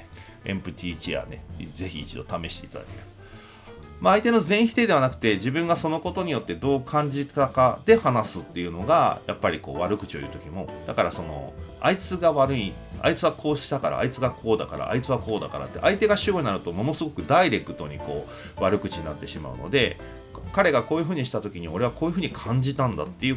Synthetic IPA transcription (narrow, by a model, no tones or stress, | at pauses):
ẽ̞̰mpɯ̟t̪ʲʰiːt͡ɕia̰neze̞çiːt͡ɕid̪o̞t̪ame̞ɕi̥t̪e̞it̪a̰d̪a̰keɾɯ̟ | maːit̪e̞no̞zẽɰ̃çi̥t̪e̞d̪e̞β̞anakɯ̟̥t̪e̞ʑibɯ̟̃ŋɡaso̞no̞ko̞t̪o̞ɲ̟ijo̞t̪ːe̞d̪o̞ːkʰãɲ̟d͡ʑit̪akad̪e̞hanasɨt̪ːe̞iɯ̟no̞ɡajapːaɾʲiko̞̰ːβaɾɯ̟kɯ̟̥t͡ɕio̞jɯ̟ːt̪o̞kʲimo̞d̪̥akaɾaso̞no̞̰a̰it͡sɨɡaβaɾɯ̟ia̰it͡sɨβakʰo̞ːɕi̥t̪akaɾa̰ːit͡sɨɡakʰo̞ːd̪aka̰ɾa̰a̰it͡sɨβako̞ːd̪a̰ka̰ɾa̰t̪ːe̞̰ʔait̪e̞ɡaɕioɲinaɾɯ̟t̪o̞mo̞no̞sɨɡo̞kɯ̟d̪aiɾe̞kɯ̟̥t̪o̞ɲ̟iko̞ː | βaɾɯ̟kɯ̟̥t͡ɕiɲinat̪ːe̞ɕima̰ɯ̟̰no̞̰d̪e̞̰ | kaɾe̞ɡako̞ːjɯ̟ɸɯ̟ːɲ̟iɕi̥t̪at̪o̞kʲiɲ̟io̞ɾe̞βako̞ːjɯ̟ɸɯ̟ːɲ̟ikʰãɲ̟d͡ʑit̪ãnd̪a̰t̪ːe̞ɯ̟